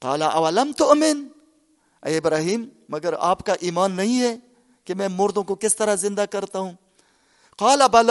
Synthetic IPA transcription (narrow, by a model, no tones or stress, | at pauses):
qɑːlaʔɐʋɐlɐmt̪ʊʔmɪn | ɐɪbɾaːɦiːmːɐɡəɾa̰ːpkaʔiːmaːnːɐɦĩɦɛ | kemɛ̃ːmoːɾd̪õkokɪst̪ɐɾazɪ̃nd̪akɐɾt̪aɦũː | qɑːlɐbɐl